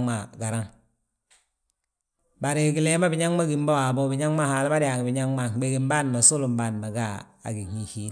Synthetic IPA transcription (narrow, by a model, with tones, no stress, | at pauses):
ŋma˨ɡa˨ɾa˦ŋ | ba˨ɾi˨ɡi˨le˦ma˦bi˨ɲa˦ŋma˦ɡi˨m˦ba˦wa˨bo˦bi˨ɲa˦ŋma˦ha˨lma˦di˨a˨ɡi˨bi˨ɲa˦ŋma˦˨ɡ͡be˨ɡi˨mba˦˨n˨ma˨su˦lu˨mba˦˨n˨ma˨ɡa˦˨a̰˨ɡi˨ŋi˦hi˦